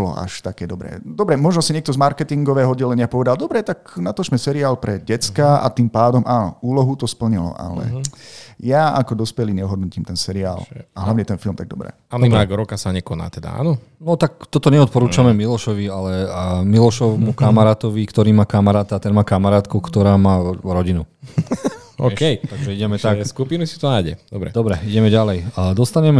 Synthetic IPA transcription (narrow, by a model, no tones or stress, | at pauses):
bɔlɔ̰ʔa̰ʃt̪akɛːd̪ɔbɾɛ̰ːd̪ɔbɾɛmɔʒnɔsiɲɛk̚t̪ɔzmaɾkɛt̪iŋɡɔʋɛːɦɔɔdɟɛlɛɲɪapɔʋɛd̪ald̪ɔbɾɛt̪aknat̪ɔszmɛsɛɾiaːlpɾɛɟɛt͡skaa̰t̪impaːd̪ɔmʔaːnɔ̰uːlɔɦut̪ɔspl̩ɲilɔ̰ʔa̰lɛ̰ | jaakɔd̪ɔspɛliɲɛɦɔd̪nuciːmt̪ɛnsɛɾia̰ːlaɦlaʋɲɛt̪ɛnfilmt̪aɡd̪ɔ̰bɾɛ̰ːanimaɡɾɔkasaɲɛkɔna̰ːt̪ɛd̪a̰a̰ːnɔ | nɔt̪ak̚t̪ɔt̪ɔɲɛɔt̪̚pɔɾuːt͡ʃamɛmilɔʃɔʋialɛmilɔʃɔʊmukamaɾaːt̪ɔʋikt̪ɔɾiːmaːkamaɾaːt̪aːt̪ɛnmaːkamaɾaːt̪kukt̪ɔɾaːmaːɾɔɟinu | ɔ̰kɛjt̪aɡʒɛiɟɛmɛt̪akskupinusi̥t̪ɔnajɟɛ̰d̪̥ɔbɾɛ̰d̪ɔbɾɛiɟɛmɛɟalɛjd̪ɔst̪aɲɛmɛ